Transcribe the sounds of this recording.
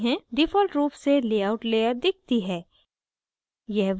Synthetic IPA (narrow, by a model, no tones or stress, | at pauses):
ɦɛ̃ɖɪfɔːlʈɾuːpseleːaːʊʈleːəɾd̪ɪk̚ʰt̪iɦɛː | jɛɦʋ